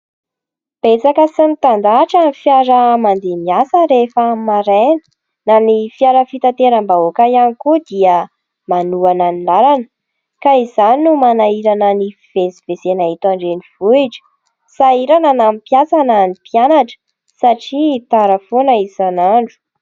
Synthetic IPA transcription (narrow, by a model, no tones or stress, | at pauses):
b̥et͡sakəsənit̪and̪aʈ͡ʂanifjaɾəmand̪emiasəɾefəmaɾenə̥ | nanifiaɾəfit̪at̪eɾəmbaokajanikud̪iə | manuananilaɾanə̥ | kaiz̥aninumanaiɾanəniv̥esi̥v̥esenaɦit̪aɳɖ͡ʐeniv̥uiʈ͡ʂə̥ | saiɾananampjasananipianaʈ͡ʂə̥ | saʈ͡ʂit̪aɾəfonaizanaɳɖ͡ʐu̥